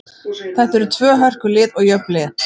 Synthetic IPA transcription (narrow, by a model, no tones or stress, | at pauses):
θɛht̪ɛɾʏt̪ʰvœːɦœr̥kʏlɪːðɔɣjœplɪð